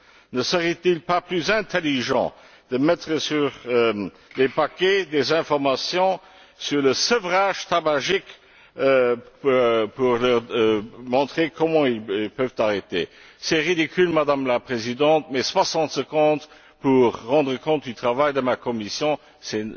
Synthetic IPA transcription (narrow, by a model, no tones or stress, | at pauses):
nəsəʁɛt̪ilpaplyzɛ̃t̪ʰeliʒɑ̰̃ | d̪̥əmɛt̪χəsyʁ | lepakɛd̪ezɛ̃fɔʁmasjɔ̃ | syʁləsəvʁaːʒt̪abaʒikː | puʁlœʁmɔ̃t̪χekɔmɑ̃ililpœvt̪aʁet̪ḛ | sɛʁid̪ikʰylmad̪amlapχezid̪ɑ̃t̪̚mɛswasɑ̃t̪səkɔ̃t̪ | puʁːɑ̃d̪ʁəkɔ̃t̪̚d̪yt̪χavajd̪əmakɔmisjɔ̃ | sɛ